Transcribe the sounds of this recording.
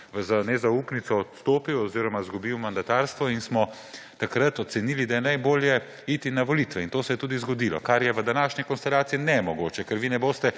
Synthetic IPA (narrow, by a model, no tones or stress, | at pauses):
ʋəzanɛzauːpnit̪sɔːt̪st̪oːpiwɔziːɾɔmazɡubiwmand̪at̪aːɾst̪ʋɔinsmɔ | t̪akɾat̪ɔt̪sɛniːlid̪ajɛnajboːljɛ | iːt̪inaʋɔlit̪ʋɛint̪oːsɛjɛt̪uːd̪izɡɔd̪ilɔ̰kaɾjɛʋəd̪anaːʃnɛkɔnst̪ɛlaːt̪siinɛmɔɡoːt͡ʃɛkɛɾʋiːnɛboːst̪ɛ